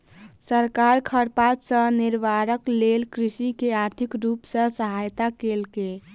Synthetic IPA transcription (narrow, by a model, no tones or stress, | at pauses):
səɾkaɾkʰəɾpat̪sə̃niɾbʱaɾəklelkɾisikeaɾt̪ʰikɾupsə̃səɦajt̪akelke